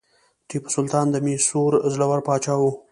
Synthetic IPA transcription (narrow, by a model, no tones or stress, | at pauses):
ʈipsʊlt̪ɑːnd̪əmesuɾzlawaɾpɑːt͡ʃɑːwu